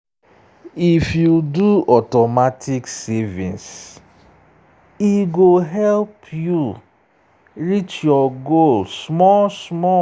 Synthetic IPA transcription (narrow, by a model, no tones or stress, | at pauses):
ifjuduɔtɔmatʰiksɛvĩns | iɡoɦɛlpʰju | ɾit͡ʃjɔɡolsmɔsmɔ